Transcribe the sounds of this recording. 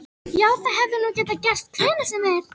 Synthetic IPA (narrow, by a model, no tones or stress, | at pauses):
jaːwθaðɦɛvðʏnucɛːt̪acɛr̥st̪̚kʰvɛːnʏ̥sɛmɛɾ̥